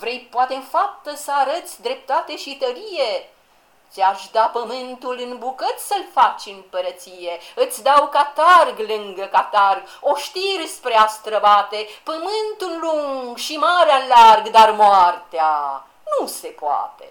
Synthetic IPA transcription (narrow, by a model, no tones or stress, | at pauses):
vɾe̞jpoat̪e̞ɨnfap̚t̪əsəaɾət̪sʲd̪ɾe̞p̚t̪at̪e̞ʃit̪əɾije | t̪ʲaʃd̪apəmɨnt̪ulɨnbukət̪ʲsəlfat͡ʃɨmpəɾət̪sije̞ɨt̪sʲd̪awkat̪arɡlɨŋɡəkat̪arɡ | oʃt̪irspɾeast̪ɾəbat̪epəmɨnt̪ulːuŋɡʃimaɾealarɡd̪armoart̪ea | nuse̞poa̰t̪e